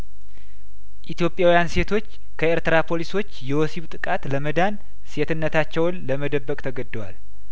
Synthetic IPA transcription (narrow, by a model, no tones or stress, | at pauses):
ʔit̪jo̞pʼjawjanse̞t̪ʰo̞t͡ʃː | kʰəeɾt̪əɾapʰo̞liso̞t͡ʃːjɛwosiβt̪ʼɨkʼat̪ləməd̪an | se̞t̪ɨnːət̪ʰat͡ʃːɛwnləməd̪əbːəkʼt̪ʰəɡəd̪ːəwal